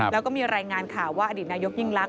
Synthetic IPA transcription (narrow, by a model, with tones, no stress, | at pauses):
lɛː˦˥wkɔ˥˩miː˧ɾaː˧jŋaː˧nkʰa˨˩waː˥˩ʔa˧diː˨˩t̪̚naː˧jo˦˥k̚ji˥˩ŋla˦˥k̚